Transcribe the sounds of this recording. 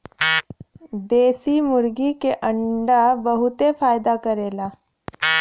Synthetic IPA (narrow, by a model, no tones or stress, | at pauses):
d̪esimuɾɡikeʔəɳɖabəɦut̪efajd̪akəɾela